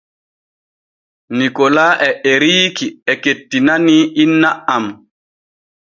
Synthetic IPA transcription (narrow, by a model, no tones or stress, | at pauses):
nikɔlaːʔɛʔɛɾiːkiɛketːinaniʔinːaʔam